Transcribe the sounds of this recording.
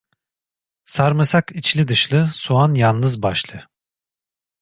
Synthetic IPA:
saɾmɯsakit͡ʃlʲid̪ɯʃlˠɯsuanjalˠnɯzbaʃlˠɯ

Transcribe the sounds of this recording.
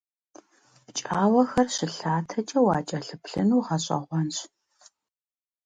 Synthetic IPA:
t͡ʃʼaːwɐxɐrɕɪɬaːtʰɐt͡ʃʼɐwaːt͡ʃʼɐɬɨpʰɬɨnuːʁɐɕʼɐ̰ʁʷɔnɕ

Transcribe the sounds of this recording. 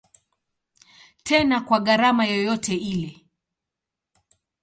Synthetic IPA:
tʰɛnakwaɠaɾamajɔjɔtɛilɛ

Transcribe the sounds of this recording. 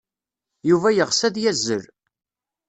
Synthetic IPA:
juvæjəʁsæðjæzːə̰ɾ

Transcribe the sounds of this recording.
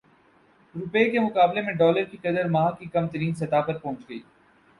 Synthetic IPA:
ɾʊpeːkemʊkaːblemẽɖɔːləɾkikɐd̪əɾmaːkikɐmt̪əɾiːnsɐt̪aːpɐɾpɔ̃ːt͡ʃɡɐḭː

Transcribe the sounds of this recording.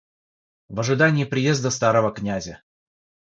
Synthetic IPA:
vəʐɨd̪anʲɪːpɾʲɪjezd̪əst̪aɾəvəknʲazʲə

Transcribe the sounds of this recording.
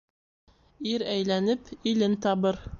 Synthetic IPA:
iɾæjlænɘpilɘnt̪ɑβɤɾ

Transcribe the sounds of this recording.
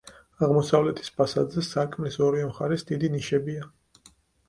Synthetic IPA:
aʁmɔsavlɛt̪ʰi̥spʰasad̪zɛsaɾkʼmlisɔɾiamχaɾɛsd̪id̪iniʃɛbia

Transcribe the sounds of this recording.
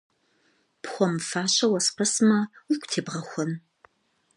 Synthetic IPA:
pxʷɔmfaːɕɐwɐsqɐsmɐukʷʰʼtʰeːbʁɐxʷɔn

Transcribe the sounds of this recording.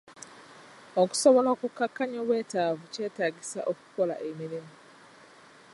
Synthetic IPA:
oku̥soβoloːkukːakːaɲoβwe̞ːtaːvuce̞ːtaːɟisa̰ʔoku̥ko̞la̰ʔe̞miɾimu

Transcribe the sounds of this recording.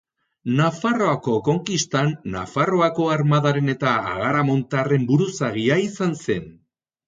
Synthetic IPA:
nafaro̞ako̞ko̞ŋkist̪anːa̰faro̞ako̞aɾmaðaɾe̞ne̞t̪aa̰ɣaɾamo̞nt̪are̞mbuɾusaɣiaisanse̞n

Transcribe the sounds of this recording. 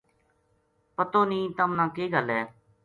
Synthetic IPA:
pət̪oːnĩːt̪əmnãːkeːɡəlɦɛː

